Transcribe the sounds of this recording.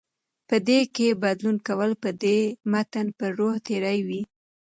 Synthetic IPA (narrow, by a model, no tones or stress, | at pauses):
pəd̪ekebad̪lunkawəlpəd̪emat̪ənpəɾoht̪eɾajwi